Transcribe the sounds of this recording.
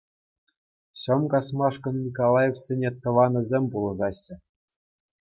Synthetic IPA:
ɕɤ̆mkɑsmɑʂkɤ̆nnʲikolˠɑjefʲsʲenʲet̪ɤ̆ʋɑnɤ̆zʲemʲpulˠɤ̆ɣɑɕːɘ̆

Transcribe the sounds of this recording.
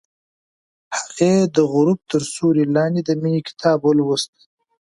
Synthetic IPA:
hḁɣed̪əɣʊɾub̚t̪əɾsuɾilɑːnd̪id̪əminikɪ̥t̪ʰɑːbwəlwəst̪i̥

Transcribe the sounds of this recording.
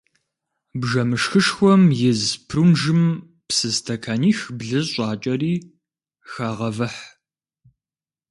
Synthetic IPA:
bʒɐmɨʂxɨʂxʷɔmjɪzpʰrumʒɨm | psɨztʰɐkʰaːniːxbɮɨzɕʷʼɑːt͡ʃʼɐriː | xaːʁɐvɐħ

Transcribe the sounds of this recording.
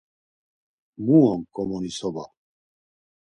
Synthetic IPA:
muɔŋkʼɔmɔnisɔba̰

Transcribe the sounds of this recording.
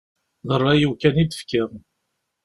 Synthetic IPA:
ðərˤːæjukænid̪ə̥fkɪʁ

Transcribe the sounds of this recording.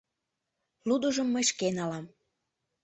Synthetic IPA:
lud̪uʒəmːəjʃkenɑlɑm

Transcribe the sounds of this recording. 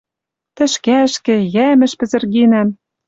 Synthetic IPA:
t̪ɘ̆ʃkæʃkɘ̆jæmɘ̆ʃpɘ̆zɘ̆rɣinæm

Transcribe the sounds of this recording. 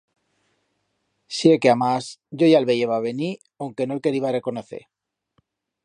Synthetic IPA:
siekeamasɟ͡ʝo̞jalβe̞ʝeβaβe̞ni | awŋke̞nolke̞ɾiβare̞ko̞noθe̞̰ɾ

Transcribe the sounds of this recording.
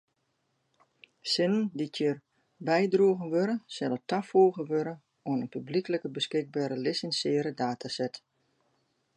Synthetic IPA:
sɪnənditʰər | bɛjdruəɣənʋøɾəsɛlətafoːɣəʋøɾə | onənpyblikələkəbəskɪɡ̚baːɾəlɪsɛnsjɪːəɾədaːtʰasɛt

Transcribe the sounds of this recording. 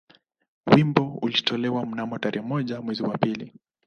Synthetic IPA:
wimbɔulitʰɔlɛwam̩namɔtaɾɛhɛmɔʄamwɛziwapili

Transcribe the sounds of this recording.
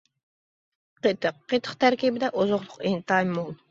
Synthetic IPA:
qʰet̪ɨqːet̪ʰə̥qt̪ʰæɾkʲibɪd̪ɛʔozoqlˠʊqent̪ɑjmːolˠ

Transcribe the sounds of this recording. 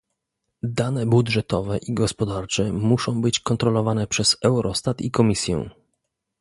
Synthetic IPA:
d̪anɛbudʐɛt̪ɔvɛʔiɡɔspɔd̪aɾt͡ʂɛmuʂɔ̃w̃bɘt͡ɕkɔnt̪ɾɔlɔvanɛpʂɛz̥ɛwɾʔɔst̪at̪ikɔmʲisʲjɛ̰̃

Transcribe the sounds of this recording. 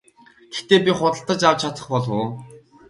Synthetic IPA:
ɡ̥e̥xt̪eːp̬ʲiχʊt̪ə̆ɬt̪ə̆t͡ɕawt͡ɕʰatt͡s̪ə̆χpɔɮʊː

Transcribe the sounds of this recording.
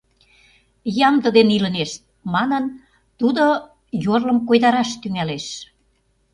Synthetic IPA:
jɑmd̪ə̆d̪enilə̆neʃt̪̚ | mɑnən | t̪ud̪o | jorlə̆mkojd̪ɑɾɑʃt̪yŋæleʃ

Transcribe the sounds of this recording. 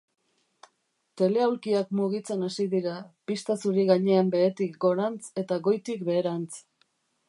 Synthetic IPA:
t̪e̞le̞awlkiakmuɣit͡se̞nasiðiɾapist̪asuɾiɣaɲe̞ambe̞et̪ikɡo̞ɾant͡se̞t̪aɣo̞jt̪ikbe̞ːɾant͡s

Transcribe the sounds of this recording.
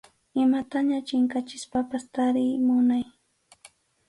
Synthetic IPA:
ɪmat̪aɲat͡ʃɪŋkat͡ʃɪspapast̪aɾɪjmʊnaj

